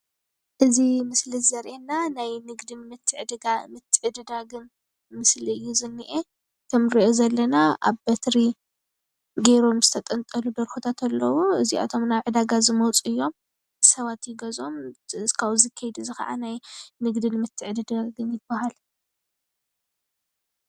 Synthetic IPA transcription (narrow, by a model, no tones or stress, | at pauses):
ʔɨzimɨslizɐɾʔenanajnɨɡd̪ɨnmɨt̪ʰːɨʕɨd̪ɨɡamɨt̪ʰːɨʕɨd̪ɨd̪aɡɨn | mɨsliɨjːuzɨnːɨʔe | t̪ʰɐmɾiʔozɐlːɐnaʔa̰βbɐt̪ɾi | ɡeɾo̞mzɨt̪ʰɐt̪ʼɐnt̪ʼɐlud̪ɐɾxut̪ʰat̪ʰɐlːɐwuɨzia̰t̪ʰo̞mnaβʕɨd̪aɡazɨmɐwt͡sʼɨjːo̞m | sɐβat̪jɪɡɐzo̞mskʰawzɨkʰːɐjd̪uzɨxɐ̰ʔa̰najnɨɡd̪ɨnmɨt̪ʰːɨʕɨd̪ɨd̪aɡɨnjɪbːɐɦal